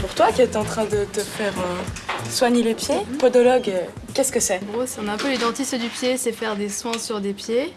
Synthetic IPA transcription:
puʁt̪wakʲiɛt̪ɑ̃t̪χɛ̃d̪ət̪əfɛːʁøswaɲelepjepɔd̪ɔlɔɡø | kʲɛskəsɛɡʁosiɔ̃naɛ̃pølid̪ɑ̃t̪isəd̪ypjesɛfɛʁd̪eswɛ̃syʁd̪epje

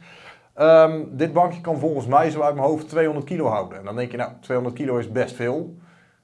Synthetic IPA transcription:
əmdɪd̚bɑŋkjəkɑnvɔlˠɣənsmɛjzowœɥt̚mənɦowftːʋejɦõndət̚kilowɦa̰wdənɛndɔndɛŋkjɪkna̰wtʋejõndərt̚kiloɪsbɛstfɪːlˠ

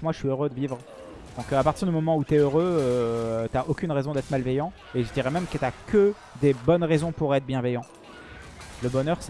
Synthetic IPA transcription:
kmwaəʃɥiøʁød̪əvivʁ | d̪̥ɔ̃kapaʁt̪iʁd̪ymɔmɑ̃ut̪yɛøʁøøt̪yaʔokʲynʁɛzɔ̃d̪ɛt̪χmalvɛjɑ̃ | eʒəd̪iʁɛmɛmkət̪yakʰə | d̪ebɔnʁezɔ̃puʁɛt̪χbjɛ̃vɛjɑ̃ | ləbɔnœʁs

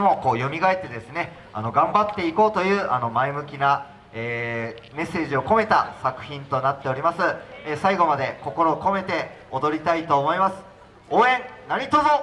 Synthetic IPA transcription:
emo̞ko̞ːjo̞mʲiɡaet̪ːe̞d̪e̞sɨne̞ | a̰no̞ɡãmbat̪ːe̞iko̞ːt̪o̞jɯ̟ːʔano̞maemɯ̟kʲina | eː | me̞sːe̞ːʑio̞ko̞me̞t̪asakɯ̟̥çĩnt̪o̞nat̪ːe̞o̞ɾʲimasɨesaiɡo̞mad̪e̞ko̞ko̞ɾo̞ːko̞me̞t̪e̞ | od̪o̞ɾʲit̪ait̪o̞ːmo̞imasɨ̥ | o̞ːẽ̞nnaɲ̟it̪ozo

